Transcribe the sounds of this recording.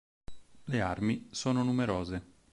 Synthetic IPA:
learmisoːnonumeɾoːze

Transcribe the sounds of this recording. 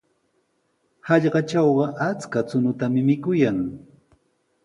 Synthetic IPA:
hɑʎɢɑt͡ʃɑwɢɑʔat͡skat͡sʊnʊt̪amɪmɪkʊjaŋ

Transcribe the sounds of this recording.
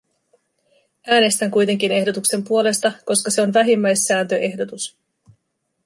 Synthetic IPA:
æːne̞st̪æŋkujt̪e̞ŋk̟ine̞hdo̞t̪ukse̞mpuo̞le̞st̪ɑko̞skɑse̞o̞nʋæɦimːæjsːæːnt̪ø̞ʔe̞hdo̞t̪us

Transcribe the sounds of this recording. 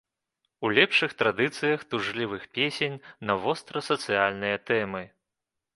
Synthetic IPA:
ulʲɛpʂɨxt̪ɾad̪ɨt̪sɨjɐxt̪uʐlʲivɨxpʲesʲenʲnɐvɔst̪ɾɐsɐt̪sɨjalʲnɨjɐt̪ɛmɨ

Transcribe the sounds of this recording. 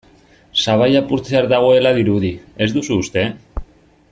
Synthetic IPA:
saβajapuɾt͡seaɾd̪aɣ̞o̞e̞laðiɾuðie̞zd̪usuːst̪e̞

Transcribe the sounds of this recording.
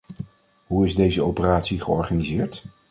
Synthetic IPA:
ɦuɪzdejzəowpəraːtsiχəɔɹχanizɪːɹt

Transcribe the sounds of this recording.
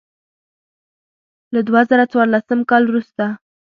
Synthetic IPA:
lad̪wazaɾat͡swɑɾlasəmkɑlwɾust̪a

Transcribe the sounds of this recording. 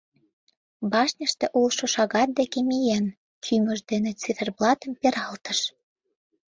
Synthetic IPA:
bɑʃnʲəʃt̪ĕʔulʃoʃɑɣɑt̪̚d̪ekemijæn | kʰymə̆ʒd̪enĕt͡siverblɑt̪əmpeɾɑlt̪əʃ

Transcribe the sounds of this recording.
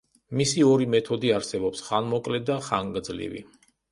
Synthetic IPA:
misiɔɾimɛt̪ʰɔd̪iaɾsɛbɔpsχanmɔkʼlɛd̪aχaŋɡd̪zlḭvḭ

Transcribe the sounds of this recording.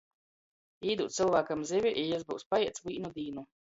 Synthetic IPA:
iːd̪uːt̪silˠvaːkamzʲivʲiʔijɛzbuwspajɛɛt̪sviːnud̪iːnu

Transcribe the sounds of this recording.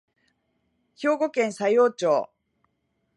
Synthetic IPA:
ço̞ːɡo̞kẽ̞ñsajo̞ːt͡ɕoː

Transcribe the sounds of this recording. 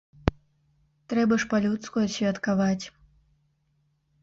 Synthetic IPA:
t̪ɾɛbɐʂpalʲut̪skujɐsʲvʲɛt̪kavat͡sʲ

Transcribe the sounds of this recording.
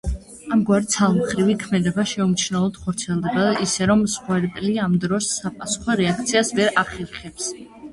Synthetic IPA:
amɡwaɾt̪sʰalˠmχɾivikʰmɛd̪ɛbaʃɛumt͡ʃʰnɛlˠɔd̪̥χɔɾt̪sʰiɛlˠd̪ɛbaisɛɾɔmsχwɛɾɛp̪ʼliamd̪ɾɔsːapʼasu̥χɔɾɛak̚ʰt̪sʰiasvɛɾʔaχɛɾχɛps

